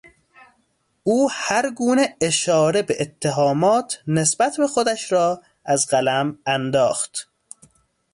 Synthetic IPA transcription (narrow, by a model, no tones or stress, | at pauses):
uːhæɾɡuːneeʃɒːɾebeʔet̪ʰːeɦɒːmɒːt̪ʰne̞sbæt̪ʰbe̞xod̪æʃɾɒː | æzɢælæmænd̪ɒːxt̪